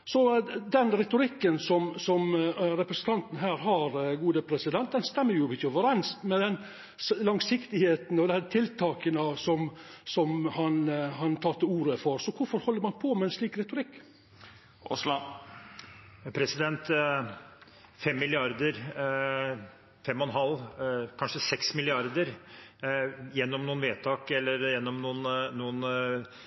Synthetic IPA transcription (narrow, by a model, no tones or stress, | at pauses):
sɔd̪ɛnɾɛt̪ʊɾɪkːənsɔmsɔmɾɛpɾɛsənt̪ʰɑnt̪n̩ɦæːɾɦɑɾɡuːd̪əpʰɾɛsɪd̪ɛnt̪̚d̪ɛnst̪ɛmːəɾjʊmɪçəoʋəɾɛnst̪mɛd̪ɛn | lɑŋsɪkt̪ɪheːt̪n̩ɔd̪ɛt̪ʰɪlt̪ʰɑːkənəsɔmsɔmhɑnhɑnt̪ʰɑːlt̪əuːɾəfɔɾsɔkʊfɔɾhɔlːəɾmɑnpʰɔmɛɪnsliːkɾɛt̪ʊɾɪkː | ʔɔ̰slɑ | pʰɾɛsɪd̪ɛnt̪ | fɛmːɪlɪɑɾd̪əɾ | fɛmːɔnɦɑlːkʰɑnʂəsɛksmɪlɪɑɾd̪əɾ | jɛnːɔmnuːənʋeːt̪ʰɑːkɛlːəɾjɛnːɔmnuːnːuːən